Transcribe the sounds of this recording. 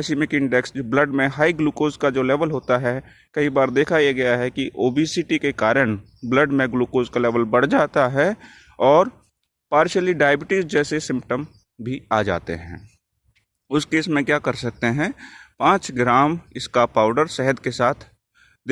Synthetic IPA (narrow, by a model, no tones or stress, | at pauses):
simɪkɪ̃ɳɖɛksbləɖmẽɦaːiɡluːkoːzkad͡ʒoːlɛːʋəlɦoːt̪aɦɛ | kɐɦibaːɾd̪eːkʰajeɡɐjaɦɛkiʔoːbisiʈikekaːɾəɳ̃ | bləɖmẽɡluːkoːzkalɛːʋəlbɐɽ̤d͡ʒaːt̪aɦɛ | ɔːɾ | paːɾʃəliɖaːjəbɪʈɪzd͡ʒɛːsesɪ̃mpʈəm | bʱiaːd͡ʒa̰ːt̪ḛɦɛ̰̃ː | ʊskeːsmẽkjaːkɐɾsɐk̚t̪eɦɛ̃ːpãːt͡ʃɡɾaːmɪskapaːʊɖəɾsɛɦəd̪kesaːt̪ʰ | d̪